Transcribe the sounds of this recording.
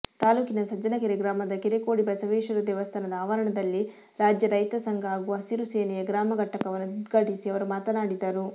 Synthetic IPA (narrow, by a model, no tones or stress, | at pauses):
t̪aːluːkinɐsɐd͡ʒɐnɐkɐɾiɡɾaːmɐd̪ɐkiɾekoːɽibɐsɐʋɛːʃɐɾud̪ɛʋɐst̪ʰɐnɐd̪ɐaːʋɐɾɐɳɐd̪ɐlːi | ɾaːd͡ʒjɐɾɐjt̪ɐsɐŋɡʱɐaːɡuʋɐɐsiɾuseːnɛjɐɡɾaːmɐɡɐʈːɐkɐʋɐnːudud̪ɡʱɐʈisiɐʋɐɾumaːt̪ɐnaːɽid̪ɐɾu